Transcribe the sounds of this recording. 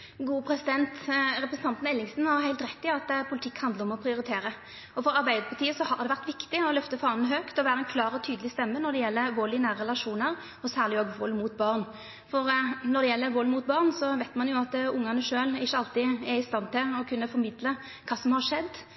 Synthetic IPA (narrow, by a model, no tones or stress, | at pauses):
ɡuːəpʰɾɛsɪd̪ɛnt̪ɾɛpɾsn̩t̪ɑnt̪n̩ɛlːɪŋsnhɑɾɦæɪlt̪ɾɛt̪ːɪɑt̪ːpʰʊlɪt̪ʰɪkːhɑnd̪əɾɔmɔpʰɾɪʊɾɪt̪ʰeːɾə | ɔfɔɾɑɾbæɪd̪əɾpʰɑʈ̪ʰiːəsɔhɑd̪ɛʋæʁt̪ʋɪkt̪ɪɔlœft̪əfɑːnn̩ɦøːkt̪ɔʋæːɾəɛnkʰlɑːɾɔt̪ʰyːd̪lɪst̪ɛmːənɔɾd̪ɛjɛlːəʋɔlɪnæːɾəɛlɑʂuːnəɾ | ɔsæːʁlɪoːɡʋɔlːmuːt̪̚bɑʁn | fɔɾnɔɾd̪ɛjɛlːəʋɔlːmut̪̚bɑːʁnsɔʋæɪt̪mɑnjʊɑt̪ːʊŋːɑnəʂøːlɪçːəɑlt̪ɪɛɾɪst̪ɑnːt̪ɪlɔkʰʉnːəfɔɾmɪd̪lə | kʰɑːsɔmhɑʂɛd̪ː